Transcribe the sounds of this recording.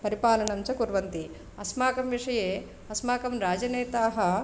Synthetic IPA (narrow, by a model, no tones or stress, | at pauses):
pɐɾipaːlɐɳɐmt͡ʃɐkuɾʋɐnt̪i | ɐsmaːkɐmʋiʂɐjeː | ɐsmaːkɐmɾaːd͡ʒɐneːt̪aːɦɐ